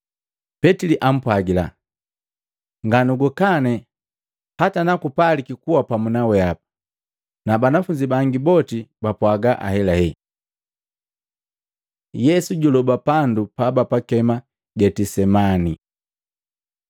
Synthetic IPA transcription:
pɛtiliʔam̩pwaɡila | ŋɡanuɡukanɛ | hatanakupalikikuwapamunawɛapḁ | nabanafuɲd͡ʒibaŋɡibɔtibapwaɡaʔa̰hɛlahɛ | jɛsuɟulɔbapandupabapakɛma | ɟɛtisɛmani

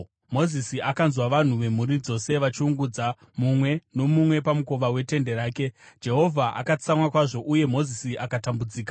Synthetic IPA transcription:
mo̞zisiʔakanzwaʋan̤uʋe̞muɾid͡zo̞se̞ʋat͡ʃiuŋɡud͡za | mumwe̞no̞mumwe̞pamuko̞ʋawe̞te̞nde̞ɾaːke̞d͡ʒe̞ɦo̞vʱaʔa̰kat͡samwakwaʐo̞ʔuje̞mo̞zisiʔakatambud͡ziːkḁ

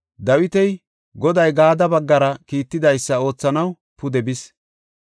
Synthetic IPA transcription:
d̪ɐwɪt̪ɛj | ɡɔd̪ɐjɡaːd̪ɐbɐɡːɐɾɐkiːt̪ːɪd̪ɐjsːɐo̞ːt͡sːɐnɐw | pʊd̪ɛbɪs

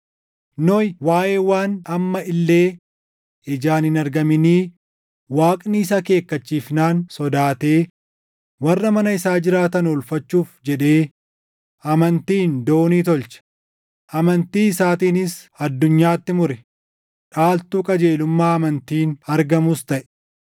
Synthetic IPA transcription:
nɔjwaːjeːwaːnɐmːɐɪlːe̞ː | ɪd͡ʒaːnɪnɐɾɡɐmɪniː | waːkʼniːɪs̬ɐke̞ːkːɐt͡ʃːiːfnaːnsɔd̪aːt̪e̞ː | wɐrːɐmɐnɐɪsaːd͡ʒɪɾaːt̪ɐnɔlfɐt͡ʃːuːfd͡ʒɛᶑe̞ː | ɐmɐnt̪iːnd̪o̞ːniːt̪ɔlt͡ʃɐ̥ | ʔɐmɐnt̪iːɪsaːt̪iːnɪs | ɐd̪ːʊɲːaːt̪ːɪmʊɾɛ | ᶑaːlt̪uːkʼɐd͡ʒe̞ːlʊmːaːɐmɐnt̪iːnɐɾɡɐmʊst̪ɐʔɛ̥

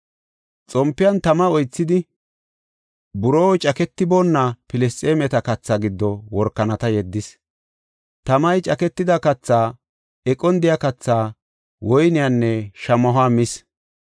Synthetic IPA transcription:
t͡sʼɔmpːɪjɐnt̪ɐmɐɔjt͡sːɪd̪ɪ | bʊɾoːwt͡ʃʼɐkɛt̪ːɪboːnːɐpɪlɛstʼeːmɛt̪ɐkɐt͡sːaːɡɪd̪ːɔwɔɾkːɐnɐt̪ɐjɛd̪ːɪs | t̪ɐmɐjt͡ʃʼɐkɛt̪ːɪd̪ɐkɐt͡sːaː | ɛkʼɔnd̪ɪjakɐt͡sːaː | wɔjnɪjanːɛʃɐmɐɦaːmɪs

